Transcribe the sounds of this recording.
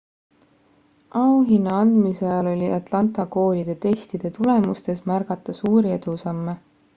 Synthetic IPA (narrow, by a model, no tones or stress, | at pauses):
ɑuɦinːɑɑnd̪misejɑlo̞lʲiʔɑt̪ˑlɑnt̪ˑɑko̞ːlʲid̪̥e̞t̪e̞st̪id̪̥e̞t̪ule̞must̪e̞smærɡ̥ɑt̪ːˑɑsuːɾie̞d̪̥usɑmːe̞